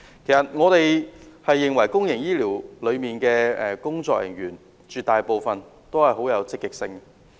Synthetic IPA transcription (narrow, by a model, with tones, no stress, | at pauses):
kʰe˨˩jsɐ˨˩t̚ŋɔː˨˧t̪e˨jhɐ˨jːɪ˨ŋwɐ˨˩jkʊ˥ŋjɪ˨˩ŋjiː˥liː˨˩wlɵ˨˧ɥmiː˨nkɛː˧ɛ˨kʊ˥ŋt͡sɔː˧k̚jɪ̰˨˩ŋjyː˨˩n | t͡ʃyː˨t̪aː˨jpo˨˧wfɐ˨n | t̪o˥whɐ˨jɦo˨˥wjɐ˨˧wt͡sɪ˥kːɪ˨k̚sɪ˧ŋ